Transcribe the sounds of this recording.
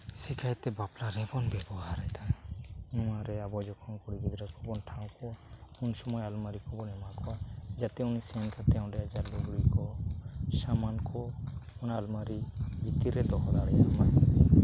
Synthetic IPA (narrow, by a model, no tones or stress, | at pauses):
sikʰajt̪ɛbaplaɾɛbɔnbɛbɔɦaɾajt̪anɔmaɾɛabɔd͡ʒɔkʰɔnkɔɽiɡid̪ɾɛkʰɔbɔnʈʰãw̃kɔkunsɔmɔjalmaɾikʰɔbɔnɛmakʰɔad͡ʒat̪ɛunisɛnkat̪ɛw̃dɛad͡ʒaɾlɔɡɽikɔsamankʰɔɔnaːlmaɾibit̪iɾɛd̪ɔɦɔd̪aɽɛjakmaj